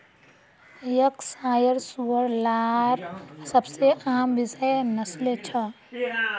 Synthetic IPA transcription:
jəksaːjəɾsuəɾlaːɾsɐbseʔaːmbɪzənɐslet͡ʃʰɐ

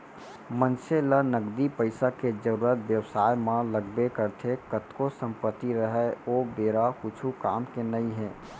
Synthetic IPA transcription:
mənt͡ʃelənəɡd̪ipəɪsaked͡ʒəɾuɾət̪bjəwsajmãləɡbekəɾt̪ʰekət̪kosəmpət̪ːiɾəɦɛobeɾakut͡ʃʰukamkenəiɦẽ

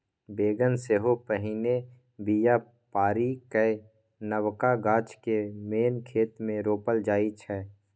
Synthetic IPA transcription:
beːɡənseːɦopəɦine | bija | paːɾikə | nəwkaɡãːt͡ʃkemeːnkʰeːt̪mẽɾoːpəld͡ʒaːit͡ʃʰɛː

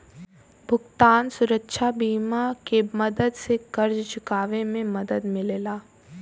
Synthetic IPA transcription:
bʱʊɡt̪aːnsʊɾəkʃʰabiːmakemɐd̪əd̪sekɐɾd͡ʒt͡ʃʊkaːʋemẽmɐd̪əd̪mɪlelaː

